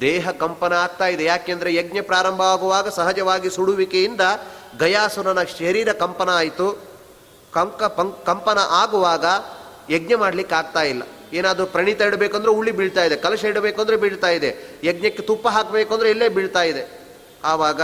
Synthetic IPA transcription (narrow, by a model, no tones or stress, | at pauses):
d̪eːɦɐkɐmpɐnɐaːɡ̚t̪aːjid̪ejaːkeːɐnd̪ɐɾejeɡɲɐpɾaːɾɐmbʱɐaːɡuʋaːɡɐsɐɦɐd͡ʒɐʋaːɡisuɽuʋikejind̪ɐɡɐjaːsunɐnɐʃɐɾiːɾɐkɐmpɐnɐaːjit̪u | kɐkɐpɐŋkɐmpɐnɐʔaːɡuʋaːɡɐ | jeɡɲɐmaːɽlikːeaːɡ̚t̪aːjilːɐ̰ | eːnaːd̪ɾupɾɐɳit̪ɐiɽɐbeːkuoːnd̪ɐɾeuɭːibiɭt̪aːjid̪ekɐlɐʃeɽɐbeːkoːnd̪ɐɾebiɭt̪aːjid̪ejeɡ̚ɲɐkːet̪upːɐɦaːkɐbeːkond̪ɾeilːeːbiɭt̪aːjid̪e̞ | aːʋaːɡɐ